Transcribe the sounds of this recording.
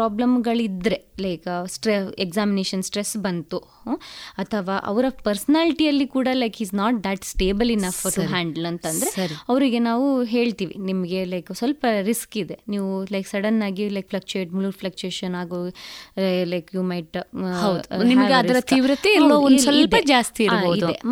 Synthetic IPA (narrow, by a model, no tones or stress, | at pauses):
pɾaːblɐmɡɐɭid̪ɾe̞lɐɪksʈɾeekzaːmineːʃɐnsʈɾesbɐnt̪u | ɐt̪ʰɐʋaːʔɐ̰ʋɐɾɐpɐɾsɐnaːliʈiɐlːikuːɽɐlɐjkhiːsnaːʈ̚d̪æʈsʈeːbɐlinɐfʈuɦæːɳɖɐlɐnt̪ɐnd̪ɐɾeɐɾiɐʋɾiɡe̞naːʋuɦe̞ːɭt̪iːʋḭnimɐɡe̞lɐjksʋɐlpɐɾiskid̪e̞niːʋulɐjksɐɽɐnːaːɡilɐjk̚flɐk̚t͡ʃeːʈ̚muluɾfʰlɐk̚t͡ʃeːʃɐnaːɡo | lɐjkjuːmɐjʈɦɐw̪unimɐɡeɐɾid̪ɐɾɐt̪ʰiːʋɾɐt̪iiɾloːondsɐld̪ɐd͡ʒaːst̪iiɾɾoadid̪e